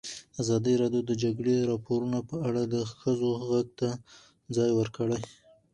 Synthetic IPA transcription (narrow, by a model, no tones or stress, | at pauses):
azɑd̪iɾɑɖjod̪əd͡ʒaɡɽeɾɑpoɾunapəaɽad̪əxəzoɣaɡ̚t̪a | d͡zɑjwəɾkəɽaj